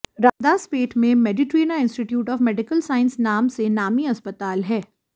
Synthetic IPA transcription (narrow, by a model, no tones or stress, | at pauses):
ɾaːd̪aspeːʈʰmẽmɛɖɪʈɾiːnaɪ̃nsʈɪʈjuːʈɔːfmɛɖɪkəlsaːɪ̃nsnaːmsenaːmiɐspət̪aːlɦɛː